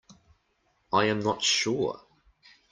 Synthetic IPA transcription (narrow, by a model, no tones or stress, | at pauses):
aɪə̃mnətʃʊ